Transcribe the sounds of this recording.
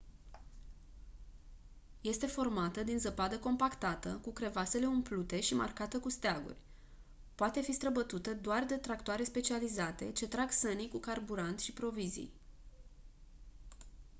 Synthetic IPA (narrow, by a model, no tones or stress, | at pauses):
je̞st̪e̞fo̞rmat̪əd̪inzəpad̪əko̞mpakt̪at̪əkukɾe̞vase̞le̞umplut̪e̞ʃima̰rkat̪əkust̪eaɡṵrʲ | poat̪e̞fist̪ɾəbət̪ut̪əd̪oard̪e̞t̪ɾak̚t̪oaɾe̞spe̞t͡ʃializat̪e̞t͡ʃe̞t̪ɾaɡsənikukarbuɾant̪ʃipɾo̞vizḭj